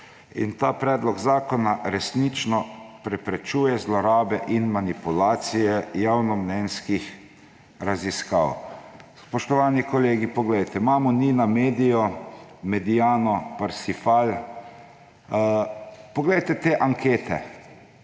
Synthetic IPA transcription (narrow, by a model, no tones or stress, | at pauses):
ḭnt̪aːpɾɛːd̪lɔɡzaːkɔnaɾɛsnit͡ʃnɔpɾɛpɾɛt͡ʃuːjɛzlɔɾaːbɛʔinmanipulaːt̪sijɛjaːwnɔmnɛnskix | ɾaziska̰ːwspɔʃt̪ɔʋaːnikɔleːɡipɔɡlɛjt̪ɛmaːmɔniːnameːd̪ijɔmɛd̪ijaːnɔpaɾsifal | pɔɡlɛjt̪ɛt̪eːʔaŋkeːt̪ɛ̰